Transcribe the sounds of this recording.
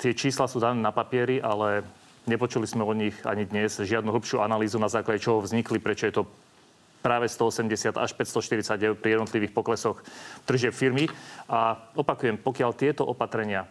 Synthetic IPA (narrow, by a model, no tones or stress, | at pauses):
t̪ɪɛt͡ʃiːslasuːd̪anɛːnapapɪɛɾiʔalɛ | ɲɛpɔt͡ʃulizmɛɔɲiɣa̰ɲid̪ɲɛzʒɪad̪nuɦl̩pʃɪuːanaliːzunazaːklaɟɛt͡ʃɔɦɔvzɲiklipɾɛt͡ʃɔjɛt̪ɔ | pɾaːʋɛst̪ɔɔsɛmɟɛsɪat̪a̰ʃpɛcst̪ɔʃt̪iɾit͡saɟɛpɾijɛd̪nɔt̪liʋiːxpɔklɛsɔxd̪r̩ʒɪɛpfiɾmiʔaɔpakujɛmpɔkɪaʎt̪ɪɛt̪ɔʔɔpat̪ɾɛɲɪa